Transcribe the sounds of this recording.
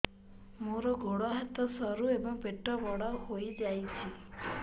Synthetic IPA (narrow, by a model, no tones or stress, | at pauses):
muɾɔɡoɽɔɦɛt̪ɔsɔɾuebɔŋbeʈːɔbɔɽaɦoid͡ʒajt͡ʃʰi